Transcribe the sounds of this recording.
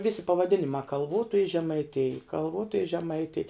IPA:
ˈʋʲɪsʲɪ pɐʋɐˈdʲɪnʲɪmɑː kɐlˠˈʋoːtoːjɪ ʒʲɛmɐɪˈtʲɪj kɐlˠˈʋoːtoːjɪ ʒʲɛmɐɪˈtʲɪj

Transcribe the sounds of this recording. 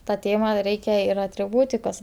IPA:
tɐ ˈtʲeːmɐ ˈrʲɛɪkʲɛ ɪr ɐtʲrʲɪˈbuːtʲɪkoːs

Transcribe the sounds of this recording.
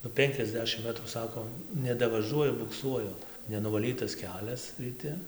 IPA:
nʊ ˈpʲɛŋʲkʲɛzʲˌdʲæːʃʲɪm ˈmʲæːtruː ˈsɑːkoː nʲɛdɐʋɐˈʒuɔjʊ bʊkˈsuɔjʊ nʲɛnʊʋɐˈlʲiːtɐs ˈkʲæːlʲɛs rʲiːˈtʲɪ

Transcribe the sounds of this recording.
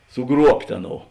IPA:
sʊˈɡruɔpʲtʲ ˈɑːˌnoːʊ

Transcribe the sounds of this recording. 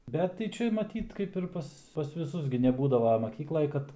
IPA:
ˈbʲɛt tɐɪ ˈt͡ʃʲɛ mɐˈtʲiːt kɐɪp ɪr ˈpɐs pɐs ʋʲɪˈsʊs ɡʲɪ nʲɛˈbuːdɐʋɐ mɐˈkʲiːklˠɐj ˈkɐt

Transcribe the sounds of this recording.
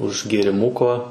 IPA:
ʊʃ ɡʲeːrʲɪˈmʊkoː

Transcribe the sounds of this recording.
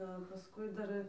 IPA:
ˈdɐ pɐsˈkʊɪ ˈdɐr

